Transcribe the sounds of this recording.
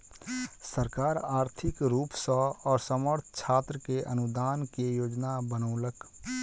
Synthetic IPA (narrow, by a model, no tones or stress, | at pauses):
səɾkaːɾaːɾt̪ʰɪkɾuːpsɔɔːɾsəməɾt̪ʰt͡ʃʰaːt̪ɾəkeʔənʊd̪aːnkejoːd͡ʒnabənoːlək